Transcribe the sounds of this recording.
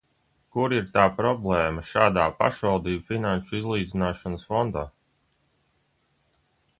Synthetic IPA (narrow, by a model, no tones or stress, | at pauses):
kuɾiɾt̪aːpɾɔblˠɛːmɐʃaːd̪aːpa̰ʃvalˠd̪iːbfinanʃuizlˠiːd̪zinaːʃanəsfɔnd̪aː